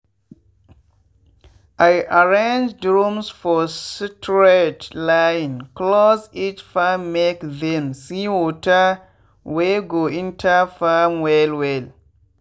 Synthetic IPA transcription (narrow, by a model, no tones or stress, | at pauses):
ʔajʔaɹẽnd͡ʒdɹũmsfɔsitʰɹetlajnklɔsit͡ʃfamːekðɛmsiwɔta | weɡoĩntʰafamwɛlwɛl